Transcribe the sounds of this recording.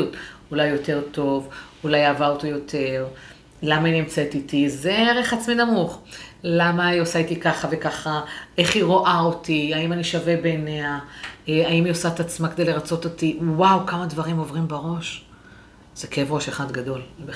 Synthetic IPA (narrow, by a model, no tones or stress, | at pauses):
utulajːo̞te̞ʁto̞vulajavaot̪ijo̞t̪ʰe̞ʁ | lamainiemt͡set̪it̪izeʁeχat͡sminamuχlamaiosait̪ikaχave̞kaχae̞χiʁoʔaot̪iaimaniʃavebene̞a | aimiosaet̪at͡smaked̪ejle̞ʁat͡so̞t̪o̞t̪iwawkamadvaʁimo̞vʁimbaʁo̞ʃ | z̥ekevʁo̞ʃeχad̪ɡado̞lbe